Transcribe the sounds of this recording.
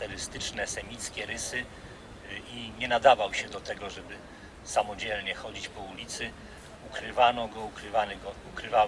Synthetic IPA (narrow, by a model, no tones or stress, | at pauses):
t̪ɛɾɘst̪ɘt͡ʂnɛsɛmʲit̪skʲɛɾɘsɘ | iɲɛnad̪avawɕɛd̪ɔt̪ɛɡɔʐɛbɘ | samɔd͡ʑɛlɲɛxɔd͡ʑit͡ɕpɔulʲit̪sɘ | ukɾɘvanɔɡɔukɾɘvanɛɡɔukɾɘva